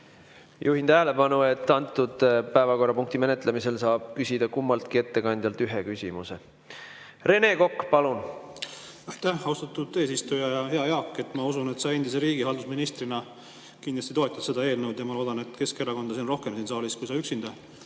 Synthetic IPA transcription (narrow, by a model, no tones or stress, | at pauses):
jʔuːhint̪æɦele̞pɑnue̞t̪ːˑɑnt̪ːˑud̪̥pæevɑko̞rːɑpuŋk̚t̪ime̞ne̞t̪ˑlemise̞lsɑːb̥̚kysʲid̪̥ɑkumːɑlt̪̚kie̞t̪ːe̞kɑnʲd̪̥ʲjɑlt̪yɦe̞kysʲimuse̞ | re̞ne̞ko̞kːpɑlun | ɑjt̪æhɑwst̪ɑt̪ːud̪e̞ːsist̪ujɑjɑheɑjeɑːkːe̞t̪ːˑmɑusunet̪sɑe̞nd̪̥iseɾiːɡiɦɑld̪usminist̪rinɑ | kind̪lɑst̪it̪o̞et̪jɑd̪se̞d̪ɑe̞ːlnewd̪jɑmɑlo̞ːd̪ɑne̞t̪ːˑke̞skeɾɑko̞nd̪̥ɑsenro̞hkemsiːnsɑːliskujsɑyksind̪ɑ